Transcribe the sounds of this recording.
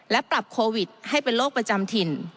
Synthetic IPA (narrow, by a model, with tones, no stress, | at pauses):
lɛ˦˥pɾa˨˩p̚kʰoː˧wi˨˩t̪̚ha˥˩jpe˧nloː˥˩k̚pɾa˧t͡ɕa˧mt̪ʰi˧n